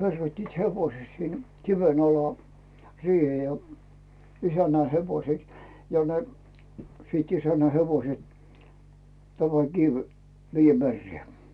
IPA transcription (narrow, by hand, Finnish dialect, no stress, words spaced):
perːoitːiːt heʋoĭse sin kiʋen ɑlɑ siːhe jɑ isænːæ heʋoset jɑ ne siːt isænːæ heʋoset tæmæ kiʋ ʋiːjːæ merːeː